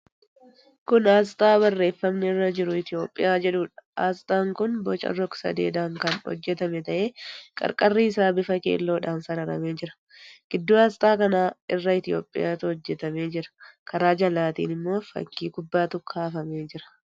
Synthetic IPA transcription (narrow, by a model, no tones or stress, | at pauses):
kʊnaːs̬t̪ʼaːbɐrːe̞ːfːɐmnɛɪrːɐd͡ʒɪɾʊɪt̪ɪo̞ːpʼːɪjaːd͡ʒɛᶑuːᶑɐ̥a̰ːst̪ʼaːŋkʊnbɔt͡ʃʼɐ̰rɔksɐ̰d̪ḛːd̪aːŋkɐnhɔ̰d͡ʒːɛt̪ɐmɛt̪ɐʔe̞ːkʼɐ̰ɾkʼɐrːiɪsaːbɪfɐkḛːlːo̞ːᶑaːnsɐɾɐɾɐ̰me̞ːd͡ʒɪɾɐ̥ | ɡ̥ɪd̪ːuːaːst̪ʼaːkɐnaːɪrːɐɪt̪ɪjo̞̰ːpʼːɪ̰jaːt̪ʊhɔd͡ʒːɛt̪ɐme̞ːd͡ʒɪɾɐ̥kʰɐɾaːd͡ʒɐlːaːt̪ḭːnɪmːo̞ːfɐ̰kːiːkʊbːaːt̪ʊkʰaːfɐmeːd͡ʒɪɾɐ̥